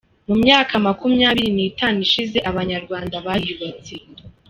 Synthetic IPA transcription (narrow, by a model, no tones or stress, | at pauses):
mumɲaːkʰamakumɲaːβiɾiniːtaːniʃize̞ʔaβaɲaɾɡwaːndaβajiuβat͡se